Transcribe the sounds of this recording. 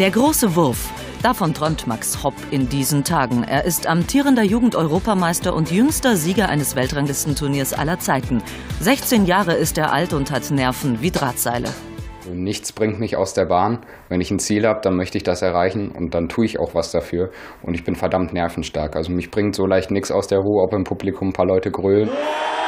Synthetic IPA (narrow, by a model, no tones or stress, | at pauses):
d̥eːɐɡʁoːsəvʊɐf | d̥afɔntʁ̥ɔʏmtmakshɔpɪndiːzn̩tʰaːɡŋ̩ʔḛːɐʔɪstʔamtʰiːʁ̞əndɐjuːɡŋ̩tʔɔʏʁ̞oːpamaɪstɐʔʊntjʏŋstɐziːɡɐʔa̰ɪnəsv̥ɛltʁ̥aŋlɪstn̩tʰʊɐniːɐsʔa̰lɐt͡saɪtn̩ | zɛçt͡seːnjaːʁ̞əɪsteːɐʔaltʊnthatnɛɐfn̩viːdʁaːtz̥a̰ɪlʔə̰ | ʔazonɪçt͡sb̥ʁɪŋtmɪça̰ʊsd̥eːɐbaːn | vɛnɪçn̩t͡siːlhaːbəd̥anmœçtəɪçd̥asɛɐʁaɪçn̩ʊ̰nt̚d̥antʰuːɪça̰ʊxv̥asd̥afyːɐ | ʔʊntɪçb̥ɪnfɛɐdamtnɛɐfn̩ʃtaɐkʔalzomɪçb̥ʁɪŋtz̥olaɪçtnɪksa̰ʊsd̥eːɐʁuːəɔpɪmpʰublikʰʊmpʰaːlɔʏtəɡʁøːlən